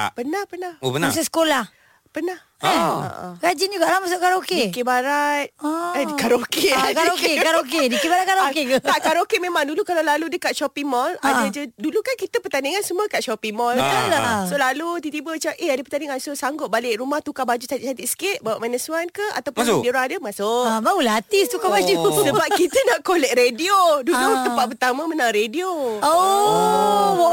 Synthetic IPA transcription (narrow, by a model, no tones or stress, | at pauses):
pənahpənahopənaasəsə̥kolah | pənah | oa̰ʔa̰ɡad͡ʒind͡ʒuɡaʔlahmasʊʔkaɾokedikebaɾat̪̚əkaɾokekaokekaɾokedikibaɾakaɾoket̪aʔkaɾokeʔmẽmãŋdulukalawlaludəkat̪̚ʃɔpiŋmɔladad͡ʒədulukankit̪əpət̪aniŋansəmũəkaʔʃɔpimɔlalasolalut̪it̪ibət͡ʃaʔeadəpərt̪aniŋansosaŋɡʊt̪̚balɪʔɾumaht̪ukabad͡ʒusat̪iʔt͡ʃat̪iʔsə̥kɪʔ̪̚bawa̰ʔmanəsuankəa̰t̪awpʊnsdioɾaŋadəmasomaulat̪ist̪ukabad͡ʒussəbap̚kit̪ənaʔkolɛʔ̚ɾediodulut̪əmpat̪̚pərt̪amə̃mənaŋɾedioo